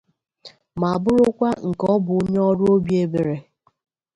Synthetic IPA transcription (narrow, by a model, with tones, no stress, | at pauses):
ma˨a˨bʊ˦ɾʊ˦kʷa˦ŋ̩˨kɔ˦bʊ˨o˦ɲe˦ɔ˦ɾʊ˦o˦bje˨be˨ɾe˨